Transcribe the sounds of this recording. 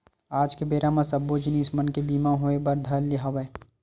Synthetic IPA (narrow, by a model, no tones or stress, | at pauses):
aːd͡ʒkebeːɾamãsɐbod͡ʒɪniːsmɐnkebiːmaɦoebɐɾd̪ʱɐɾliɦɐʋe